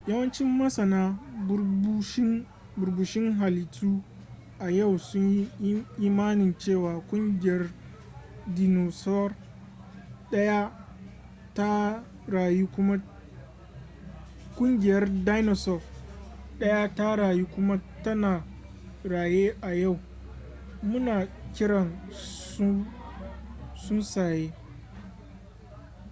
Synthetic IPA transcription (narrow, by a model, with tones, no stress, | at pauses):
ja˦wɐ˦nt͡ʃɪ˦mːɐ˦sɐ˨naː˦ | ʃ | bʊ˨rbu˨ʃɪ˦ŋɦa˨lɪ˨tuː˦ | ʔa˨ja˦˨wsʊ˦ɲji˦ʔiː˦maː˦nɪ˨nt͡ʃeː˦˨waː˨kʷʼʊ˦ŋɡʲɪ˨jɐ˦r | di˦no˨sɔ˦r | ɗɐ˦ja˦ | ta˦ | ɾa˨ju˦kʷʊ˦ma˦ | kʷʼʊ˦ŋɡʲɪ˨jɐ˦rda˦jnɔ˨sɔ˦˨fɗɐ˦ja˦ta˦ɽaː˨ju˦kʷʊ˦ma˦tɐ˦naː˨ | ɽaː˨jeː˦ʔa˨ja˦˨w | mʊ˦naː˨kʲɪ˦ɽɐ˨n˦ | sʊ˦nsaː˨jeː˦